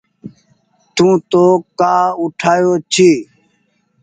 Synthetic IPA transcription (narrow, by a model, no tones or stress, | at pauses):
t̪ũːt̪oːkaːʊʈʰaːjoːt͡ʃʰiː